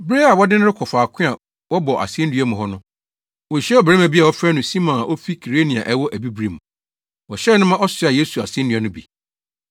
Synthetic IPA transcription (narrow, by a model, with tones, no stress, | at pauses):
bɾe˦a˨wɔ˦dɪ˦nɪ̃˦ɾɪ˦kʰɔ˨faː˨kʰɪ̃˦a˨ | wɔ˦bɔ˨ʔa̰˨sɪ̃˦n˦dɥɛ˦mʊ̃˨ɦɔ˦nʊ̃˦ | wɔ˨ɕɛ˦ɔ˨bɛ˨ɛ˦mæ̃˨bi˦a˨wɔ˦fɾæ˦nʊ̃˨sĩ˦mɔ̃˨na˨ʔo˦fi˦kʰi˨ɾe˦nĩ˨a̰˨ʔɛ˦wɔ˦ʔæ˨bi˦bɾi˨mũ˨ | wɔ˨ɕɛ˦nʊ̃˦mã˦ʔɔ˦sɪ˨˦˨a˨je˦su˨a˨sɪ̃˦n˦ɪ̃˨˦ã˨nʊ̃˦bḭ˨